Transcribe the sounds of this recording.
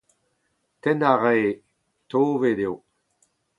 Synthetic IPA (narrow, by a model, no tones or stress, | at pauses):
tɛnaʁeː | toːvedew